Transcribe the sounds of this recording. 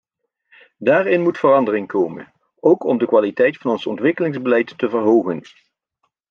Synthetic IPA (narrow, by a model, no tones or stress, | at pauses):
daːɹɪnmutfərɑndərɪŋkowmə̰n | owkɔmdəkʋaːlitɛjtfɑnɔnsɔntʋɪkəlɪŋzbəlɛjtːəvəɹɦowχən